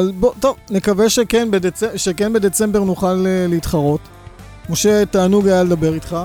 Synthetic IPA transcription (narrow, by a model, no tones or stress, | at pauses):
albot̪o̞vnekaveʃekenbedet͡seʃekenbed̪e̞t͡se̞mbe̞ʁnuχaleːeit̪χaʁo̞t | moʃetaːnuɡajaledabe̞ʁit̪χa